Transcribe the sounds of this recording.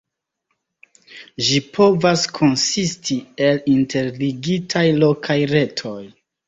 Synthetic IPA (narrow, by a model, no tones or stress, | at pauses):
ʒipʰo̞vaskʰo̞nsistʰie̞linte̞ɾliɡitʰajlo̞kʰajɾe̞tʰo̞j